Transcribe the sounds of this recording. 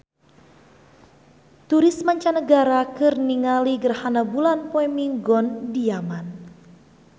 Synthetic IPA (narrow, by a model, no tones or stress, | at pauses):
t̪uɾismaɲt͡ʃanəɡaɾakɨrniŋaliɡərhanabulanpoɛmiŋɡɔndiaman